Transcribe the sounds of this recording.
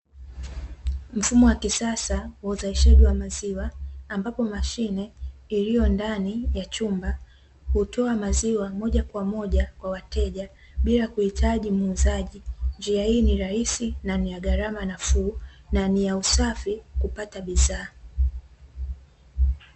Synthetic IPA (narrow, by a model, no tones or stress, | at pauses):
m̩fumɔwakisasawauzaiʃaʄiwamaziwaːmbapɔmaʃinɛilijɔndanijat͡ʃumba | hutʰɔamaziwamɔʄakwamɔʄakwawatɛʄa | ɓilakuhitʰaʄimuːzaʄind͡ʒiahiːniɾahisinanijaɠaɾamanafuːnanijausafikupataɓiðaː